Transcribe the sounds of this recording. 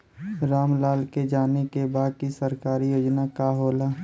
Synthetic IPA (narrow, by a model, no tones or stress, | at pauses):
ɾaːmlaːlked͡ʒaːnekebaːd̪̚kisəɾkaːɾijoːd͡ʒnakaɦoːlaː